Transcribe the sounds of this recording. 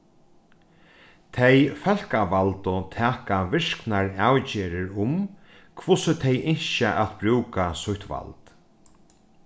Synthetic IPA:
t̪ʰejfɛl̥kaʋalt̪ʊt̪ʰɛːkaʋɪʂknaɹawt͡ɕɛːɾɪɾʊm | kʰvʊsət̪ʰɛjʔɪɲʃəʔa̰t̪bɾʉːkasʊht̪ʋa̰lt̪

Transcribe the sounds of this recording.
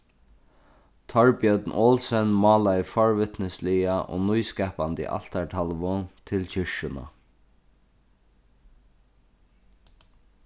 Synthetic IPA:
t̪ʰɔɹpjœd̪nʔɔːlsɛnmɔːlaɪfɔɹʋɪt̪nəslɪaʔo̰ːnujskɛːpant̪ɪ̰ʔa̰l̥t̪aɹʈ̪ʰalʋʊt̪ʰɪlt͡ɕɪʂʊna̰

